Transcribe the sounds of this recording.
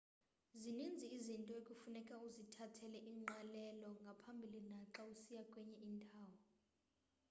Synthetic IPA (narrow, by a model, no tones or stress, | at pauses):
zinind͡zʱiːzintʼɔekʼufunɛkʼauzitʰatʰɛlɛʔiːŋ͡ǃalɛlɔŋɡʱapʰambʱilinaǁausijakʼwɛɲɛʔintʼaːwɔ